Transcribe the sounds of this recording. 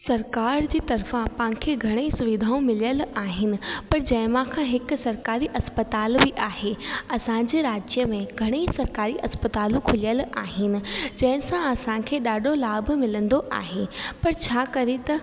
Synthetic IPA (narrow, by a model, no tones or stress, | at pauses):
sɐɾkaːɾd͡ʑiːt̪ɐɾfãpãːkʰeɡʱɐɽ̃eisʊʋɪd̪ʱaːũmɪlijəlaːɦɪnɪ̆pɐɾd͡ʑɐ̃ɦɪ̃mãkʰãɦɪksɐɾkaːɾiʔɐspət̪aːlbiʔaːɦeɐsãd͡ʑeɾaːd͡ʑjəmẽɡʱɐɽ̃eisɐɾkaːɾiʔɐspət̪aːlũkʰʊlijəla̰ːɦɪnɪ̆d͡ʑɐ̃ɦɪ̃sãɐsãkʰeːɗaːɖʱolaːbmɪlə̃nd̪oʔa̰ːɦepɐɾt͡ɕʰaːkɐɾet̪ɐ